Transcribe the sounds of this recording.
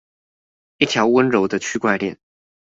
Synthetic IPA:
i˥˩t̪ʰjɑ˧˥ʊwə˥nɻo˧˥ʊd̪ə˧t͡ɕʰy˥kwa˥˧ɪljɛ̰˥˩n

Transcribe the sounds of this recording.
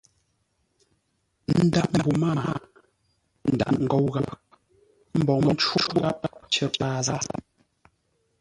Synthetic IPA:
n̩˦da˨p̚m˨bu˨ma˦˨a˨˦ | n̩˨da̰˨ŋ̩˦ɡɔ˦wɣa˦ | m̩˦bɔ˨ɔ˨˦t͡ʃwu˦u˦ɣa˦p̚t͡ʃə˦˨a˦˨za˦

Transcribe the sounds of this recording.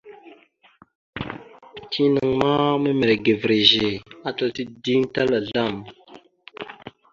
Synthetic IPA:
tʰi˦nə˨ŋma˦mə˦me˨ɾe˨ɡe˨vɾe˨ʒe˨a˦tə˨lti˦di˦ŋta˦la˨ɮa˦˨m

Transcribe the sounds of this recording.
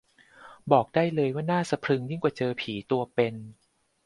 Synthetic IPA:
bɔː˨˩k̚daː˥˩jlɤː˧jwaː˥˩naː˥˩sa˧pʰɾɯ˧ŋji˥˩ŋkwaː˨˩t͡ɕɤː˧pʰiː˩˦t̪u˧ɐpe˧n

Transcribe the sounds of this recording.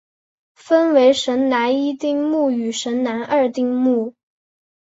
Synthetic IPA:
fə˥nwe˧˥ɪʂə˧˥nna˧˥ni˥t̪i˥˧ŋmu˥˩y˨˩ʂə˧˥nna˧˥nʔə˞˥˧t̪i˥˧ŋmu˥˩

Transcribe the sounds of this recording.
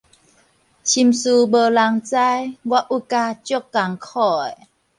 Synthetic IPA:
t͡ɕʰi˧msu˧bə˧˨la˧ŋt͡sa˦jɡwa˦ʔu˦ka˧t͡ɕjo˥˦kːa˨˩ŋkʰɔ˥˧˩e˨

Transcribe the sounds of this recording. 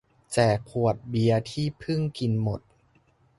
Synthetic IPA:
t͡ɕɛː˨˩kpʰu˨˩ət̪̚bi˧ɐt̪ʰiː˥˩pʰɯ˥˩ŋki˧nmo˨˩t̪̚

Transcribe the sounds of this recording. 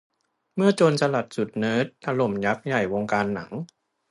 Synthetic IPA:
mɯ˥˩ɐt͡ɕoː˧nsa˧la˨˩t̪̚su˨˩t̪̚nɤː˦˥t̪̚ʔaː˧lo˨˩mja˦˥k̚ja˨˩jwo˧ŋkaː˧nːa˩˦ŋ

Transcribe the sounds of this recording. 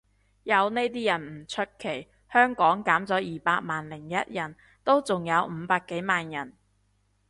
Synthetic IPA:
jɐ˨˧wne˥jt̪̬iː˥jɐ˨˩nm̩˨˩t͡ʃʰɵ˥t̚kʰe˨˩j | hœː˥ŋkɔː˨˥ŋkaː˨˥mt͡sɔː˨˥jiː˨paː˧k̚maː˨nlɪ˨˩ŋjɐ˥t̚jɐ˨˩n | t̪o˥wt͡sʊ˨ŋjɐ˨˧wm̩˨˧paː˧kːe˨˥jmaː˨njɐ˨˩n

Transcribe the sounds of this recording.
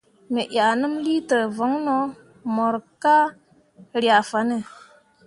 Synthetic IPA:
me˨ʔa˨nɨ˦mli˦tə˨və˨˦ŋno˦ | mo˨ɾka˦ | ɾja˨fa˨˦nə˨

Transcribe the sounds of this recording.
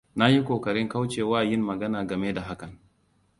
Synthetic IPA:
na˦ji˦kʷoː˨kɐ˨ɾɪ˦ŋka˦wt͡ʃeː˨waː˦˨jɪ˦mːɐ˨ɡɐ˦naː˨ɡɐ˨me˦da˨ɦa˦kɐ˨ŋ

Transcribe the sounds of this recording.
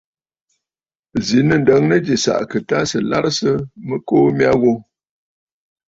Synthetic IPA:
zi˨˦nə˨n˨də˨˦ŋnə˦d͡ʒi˨sa̰˨ʔkə˨ta˦sə˨la̰˦ɾsə˦mə˦koː˦mja˦ɣo˦

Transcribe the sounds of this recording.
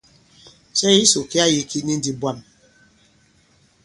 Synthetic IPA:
sɛ˦i˦so˨ki˦a˦ji˦kʰi˦ni˦n̩˦di˦bwa˦˨m

